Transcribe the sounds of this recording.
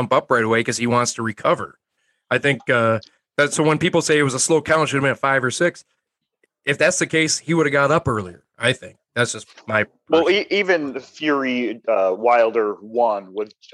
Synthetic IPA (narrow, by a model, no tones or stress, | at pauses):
ʌ̃mpʌpɹaɪɾəweɪkʌz̥iwɑ̃ntstʰɨɹikʰʌvə̰˞ | aɪθɪ̃ŋk̚ʌ | ðɨtsoʊwə̃npipl̩ˠseɪɨt̚wʌzəsloʊkʰãʊ̃nʃɨɾmɪ̃tfaɪvə˞sɪks | ɨfðætsðɨkʰeɪshiwʊɾɨvɡɑɾʌpɜ˞lˠiə̰˞aɪθɪ̰̃ŋk̚ðætsd̥ʒ̥ʌsmaɪ | wɛlˠiʔivɨ̃nθjʊɹiʌwaɪlˠdə˞wʌ̃nwəð